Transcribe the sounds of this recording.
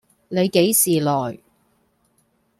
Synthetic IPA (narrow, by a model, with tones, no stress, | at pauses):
ne˨˧jke˨˥jsiː˨lɔː˨˩j